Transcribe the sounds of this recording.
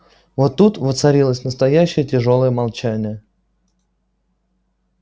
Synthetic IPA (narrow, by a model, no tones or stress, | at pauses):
vot̪ːut̪vɨt̪sɐɾʲilˠəsʲnəst̪ɐjæɕːɪjətʲɪʐo̞lˠəjəmalˠt͡ɕænʲɪjə